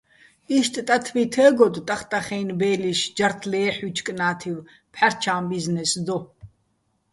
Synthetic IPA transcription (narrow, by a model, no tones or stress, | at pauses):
iʃt̪ʼt̪ʼat̪ʰvit̪ʰəːɡɔd̪t̪ʼaχt̪ʼaχɛːnbɛːliʃd͡ʒaɾt̪ʰlɛːħut͡ʃʰkʼnaːt̪ʰiv | pʰħaɾt͡ʃʰaːmbiznɛsd̪ɔ